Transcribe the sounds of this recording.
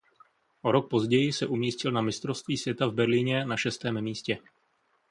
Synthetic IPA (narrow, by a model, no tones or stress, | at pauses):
ʔo̞ɾo̞k̚po̞zɟɛjɪsɛʔumiːscɪlnamɪst̪ɾofst̪viːsvjɛt̪avbɛɾlɪɲɛnaʃɛst̪ɛːmmiːscɛ